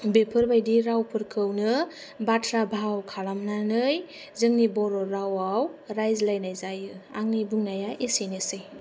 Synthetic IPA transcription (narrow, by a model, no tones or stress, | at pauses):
bepʰɯɾbajdiɾawpʰɯɾkʰɯwnɯ | batʰɾabʱawkʰalamnanɯj | zɯŋnibɔɾɔɾawawɾajzlajnajzajɯaŋnibuŋnajaʔesinesɯj